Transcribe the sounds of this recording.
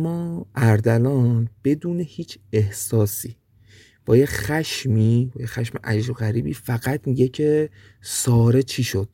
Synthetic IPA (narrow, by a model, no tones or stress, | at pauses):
mːɒːʔæɾd̪ælɒːnb̥e̞d̪uːne̞hiːt͡ʃʰehsɒːsiː | b̥ɒːjexæʃmiːbɒːjexæʃmḛʔæd͡ʒɾoɣæɾiːbiːfæɣæt̪ʰmiɟecʰe | sɒːɾe̞t͡ʃʰiːʃo̞d̪̥